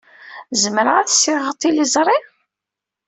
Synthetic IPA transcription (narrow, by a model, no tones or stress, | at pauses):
zəməɾæθsiʁət̪ˤːilizˤɾˤi